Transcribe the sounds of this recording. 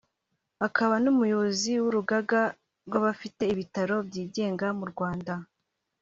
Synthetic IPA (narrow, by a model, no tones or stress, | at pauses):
akaβanumujoβziwuɾuɡaɡa | ɾɡwaβafite̞iβitaɾo̞bjiːɟe̞ːŋɡamuɾɡwaːnda